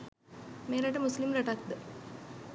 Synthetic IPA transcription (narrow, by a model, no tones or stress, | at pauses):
meːɾɐʈəmuslimɾɐʈak̚d̪ə